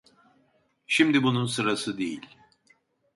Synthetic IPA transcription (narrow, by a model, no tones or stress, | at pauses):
ʃimd̪ibununsɯɾasɯd̪ejilʲ